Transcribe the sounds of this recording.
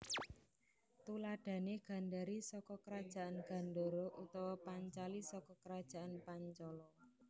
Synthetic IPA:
t̪ulaɖ̥ä̤neɡ̥a̤nɖaɾisɔkɔkəɾad̥ʒ̥a̤ʔanɡ̥a̤nɖoɾoʔut̪ɔwɔpaɲt͡ʃalisɔkɔkəɾad̥ʒ̥a̤ʔanpaɲt͡ʃɔlɔ

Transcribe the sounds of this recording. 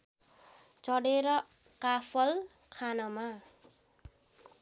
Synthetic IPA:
t͡sʌɽeɾʌ | kapʰʌl | kʰanʌma

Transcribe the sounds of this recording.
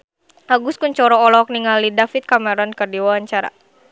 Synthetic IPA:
ʔaɡʊskunt͡ʃɔɾɔːlɔk̚niŋalidafit̪̚kamɛɾɔnkərdiwawaɲt͡ʃaɾa̰

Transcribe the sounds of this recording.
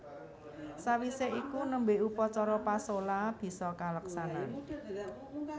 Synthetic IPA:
sawiseʔikunəmbeupɔt͡ʃɔɾɔpasolab̥i̤sɔkaləksanan

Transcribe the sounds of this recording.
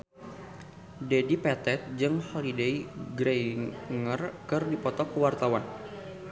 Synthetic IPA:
dedipɛt̪ɛt̪̚d͡ʒɨŋhɔlideiɡɾeŋərkɨrdipɔt̪ɔkəwart̪awan

